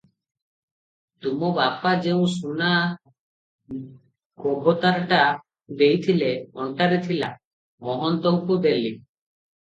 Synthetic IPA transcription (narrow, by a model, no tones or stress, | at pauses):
t̪umɔbapad͡ʒeũsuna | kɔbʱɔt̪aɾʈa | d̪ejt̪ʰileɔɳʈaɾet̪ʰila | mɔɦɔnt̪ɔŋkud̪eli